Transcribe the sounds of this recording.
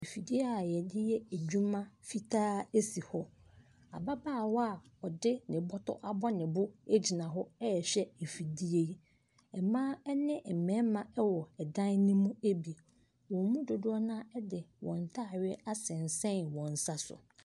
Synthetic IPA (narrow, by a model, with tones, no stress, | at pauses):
e˨fi˨di˦e˦aa˨jɛ˨dɪ˦jɛ˦e˨d͡ʑᶣu˦mã˦fi˦tʰaː˦e˦si˨hɔ˦ | a̰˨ba˦baː˦˨wɔ˦a˨ | ɔ˨dɪ˦nɪ̃˨bɔ˦tʰɔ̰˦ʔa˨bɔ˦nɪ̃˨bʊ˦e˦d͡ʑi˨nã˨ɦɔ˦ɛ˦ɛ˨ɕᶣɛ˦e˨fi˨di˦e˦ | ɛ˨mãː˦ɛ˦nɪ̃˦m̩˨mɛ̃˨˦mã˨ɛ˦wɔ˨ɛ˨dã˦nnĩ˦mũ˦e˦bi˨ | wɔ̃˨mũ˦dʊ˨dʊ˦ɔ˦nã˦ɛ˦dɪ˨wɔ̰̃˨n̩˨tʰa˦˨ɥɛ˦a˦sɪ̃˨n˨sɛ̃˦nwɔ̃˨n̩˨sa˦sʊ̰˨